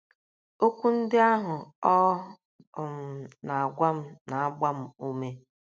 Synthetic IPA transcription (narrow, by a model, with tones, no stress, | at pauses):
o˦kʷu˦n̩˦dɪ˦a˦ɦʊ˨ɔ˦˨ | m̩˨na˨a˨ɡʷa˦m̩˦na˨a˦ɡ͡ba˦m̩˦o˦me˦